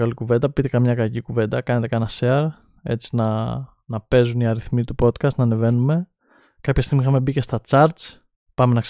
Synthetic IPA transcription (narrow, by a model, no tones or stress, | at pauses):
ɐlikuve̞nd̪ɐpit̪ekɐmɲɐkɐcikuve̞nd̪ɐkɐne̞t̪e̞kɐnɐseɐɾ | e̞̰t͡si̥nɐ | nɐpe̞zuniɐɾiθmit̪upo̞t̪kɐst̪nɐne̞ve̞nume̞ | kɐpçɐst̪iɣmixɐme̞bice̞st̪ɐt͡sɐɾt̪t͡s | pɐme̞nɐks